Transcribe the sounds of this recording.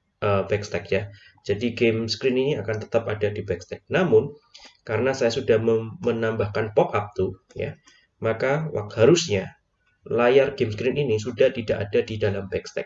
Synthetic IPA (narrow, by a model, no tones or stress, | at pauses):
ʔəbɛkst̪ɛk̚ɲa | d͡ʒadiɡemskɾɪniniakant̪ə̥t̪apadadibɛkst̪ɛk̚namʊnkaɾənasajasudahməənambahkanpɔkap̚t̪u | ja̰ | makawa̰k̪̚haɾʊsɲa | lajarɡemskɾɪninisudaht̪idaʔadadidalambɛkst̪ɛ̰k̚